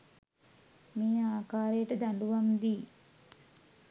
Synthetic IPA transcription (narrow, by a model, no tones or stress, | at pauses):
miːaːkaːɾeːʈɐd̪ɐɳɖuʋɐmd̪i